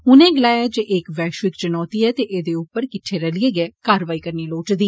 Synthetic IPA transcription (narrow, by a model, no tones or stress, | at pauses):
ɦʊnẽːɡɪlaːjaːd͡ʒeːʔekʋɛːʃʋɪkt͡ʃənɔːt̪iːɛːt̪eːʔeːd̪eːʊpːəɾkɪʈʰːeːɾəlɪeːɡɛːkaːɾʋaːiːkəɾniːloːʈd̪iː